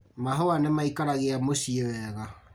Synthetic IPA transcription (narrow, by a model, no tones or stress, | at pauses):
maɦɔwanemaikaɾaɣeamosiewɛɣa